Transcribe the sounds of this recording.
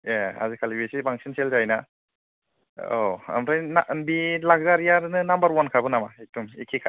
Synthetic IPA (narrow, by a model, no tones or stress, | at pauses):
jaa̰zikʰalibesibaŋsinselzajna | oa̰mɾajnanbilaɡzaɾijaɾnɯnambaɾwankʰabɯnamaetumḭkʰikʰa